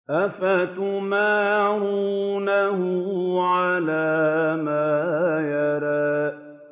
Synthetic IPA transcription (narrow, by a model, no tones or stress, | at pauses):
ʔafat̪ʊmaːʕuːnahʊʕalaːmaːjɑɾɑː